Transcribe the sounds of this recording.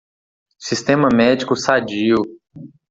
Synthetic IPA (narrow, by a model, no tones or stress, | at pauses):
sist̪ẽmɐmɛd͡ʒikʊsad͡ʒiw